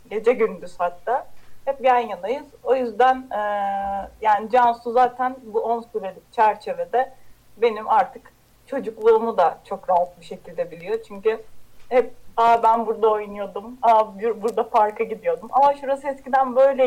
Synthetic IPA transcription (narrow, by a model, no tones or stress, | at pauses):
ɟe̞d͡ʒɛɟynd̪yz̥hat̪ːaːhɛp̚ɟænjad̪ajɯz̥o̞jyzd̪ænɛːjaːnid͡ʒansuzaːt̪ʰænbuo̞nsuɾelt͡ʃʰæɾt͡ʃʰe̞ve̞d̪ɛ | be̞nimaɾt̪ʰɯk | t͡ʃʰo̞d͡ʒuklˠuːmud̪at͡ʃʰo̞kɾaɦat̪̚biʃe̞cʰilʲd̪ɛbilʲijo̞t͡ʃʰyɲcyhɛp̚abænbuɾd̪ao̞jnujo̞d̪umabyɾbuɾd̪apʰaɾkʰaɟid̪ijo̞d̪umʔa̰maʃuɾasɯɛscid̪ænbø̞jlʲɛ